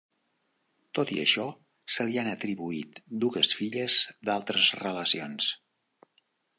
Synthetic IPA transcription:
t̪ot̪ḭə̰ʃɔ | səlianət̪ɾiβuit̪d̪uɣəsfiʎəz̥d̪alˠt̪ɾəzrələsions

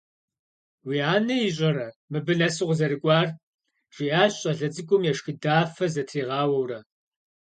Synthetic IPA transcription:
wiːaːnɐjiɕ̬ʼɐɾɐmɨbɨnɐsɨʁʷzɐɾɨkʷʼɑːr | ʒ̥iaːɕʼɐɮɐd͡zɨkʷʼʊmjɛʂxɨdaːfɐzɐtʰriːʁɑːwɐwrɐ

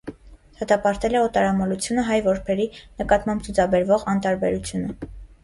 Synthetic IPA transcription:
d̪̥ɑt̪ɑpɑɾt̪ɛlɛɔt̪ɑɾɑmɔlut͡sʰjunəɦɑjvɔɾpʰɛɾinəkɑt̪mɑmb̚t͡sʰut͡sʰɑbɛɾvɔʁɑnt̪ɑɾbɛɾut͡sʰjunə

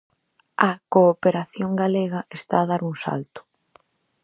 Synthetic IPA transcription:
ɐkoːpeɾaθjoŋɡaleɣɐʔest̪aːðaɾuŋsa̰lt̪ʊ̥

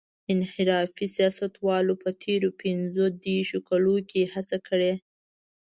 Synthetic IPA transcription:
ɪnhɪɾɑfisijɑsat̪wɑlopət̪ʰeɾopɪnzod̪eɾʃokalokehat͡sakʰəɽe

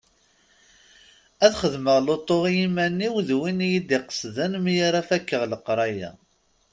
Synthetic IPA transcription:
æðχəðməʁlot̪ˤːoʁjimænːiwðwinjid̪iqə̥sðənmjaɾafækːəʁləqɾˤɑjæ̰

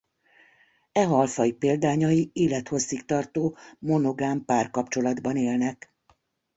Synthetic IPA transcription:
ɛɦɒlfɒipeːld̪aːɲɒjieːlɛt̪ho̞sːikt̪ɒrt̪oːmo̞no̞ɡaːmpaːrkɒpt͡ʃo̞lɒd̪bɒneːlnɛk

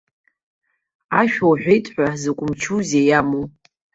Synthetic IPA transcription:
aʃᶣowħʷᶣejtʼħʷᶣazɨkʷʼʊmt͡ʃʰuzejamu

